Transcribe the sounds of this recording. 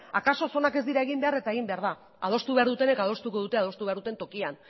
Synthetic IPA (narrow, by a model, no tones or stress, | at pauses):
akaso̞so̞nake̞zd̪iɾaeɣ̞imbe̞aɾe̞t̪ae̞ɣ̞imbeaɾða | að̞o̞st̪uβe̞aɾðut̪e̞ne̞kaðo̞st̪uko̞ðut̪e̞að̞o̞st̪uβaɾðut̪e̞nt̪o̞kian